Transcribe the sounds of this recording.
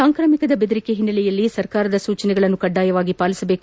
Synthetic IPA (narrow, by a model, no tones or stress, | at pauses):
aːŋkɾɐmikɐd̪ɐbed̪ɐɾikeɦinːɐlɛjɐlːisɐɾkaːɾɐd̪ɐsuːt͡ʃɐnɛɡɐɭɐnːukɐɖːaːjɐʋaːɡipaːlisɐbe̞ːku